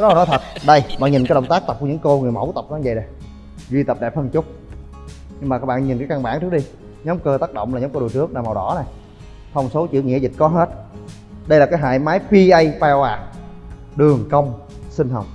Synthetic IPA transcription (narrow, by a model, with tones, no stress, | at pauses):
ɔ˨˦aː˨˩nɔ˨˦jt̪ʰə˨˩t̚ɗə˧jɓa̰ː˧˨nɲi˨˩nkaː˨˦jɗə˧˨wŋ͡mt̪aː˦˥k̚t̪p̚kɲɨ˧˥˦ŋko˧ŋɨ˨˩əjmə̰˧˩˦wt̪ə˨˩p̚nɔ˧˦˧ŋzə˧˨na˨˩j | zwi˧t̪ə˨˩p̚ɗɛ˨˩hʰə˧nt͡ɕʊ˦˥k͡p̚ | ɲɨ˧ŋmaː˨˩kaː˦˥k̚ɓ̰ːɲi˨˩nkaː˨˦jka˧nɓa̰ː˧˩˨t͡ɕɨ˦˥ək̚ɗi˧ | ɲɔ˨˦ŋ͡mkəː˧t̪aː˦˥k̚ɗo̰˧˨wŋ͡mlaː˨˩ɲɔː˨˦mkə˧ɗu˨˩ət͡ɕɨ˦˥ək̚naː˨˩ma˨˩wɗɔ̰˧˩˦na˨˩j | t̪ʰə˧wŋ͡mso˨˦t͡ɕḭ˧˥˨ɲ˨˧kaː˨˦zï˨˩t̚kɔ˨˦ɦe˦˥t̚ | ɗə˧jlaː˨˩kaː˨˦jɦa̰ː˧˨jmaː˨˦jpi˧ʔə˧jvaː˧aː˨˧˩ | ɗɨ˨˩əŋkə˧wŋ͡m | sï˧ŋ̟ɦə˨˩wŋ͡m̚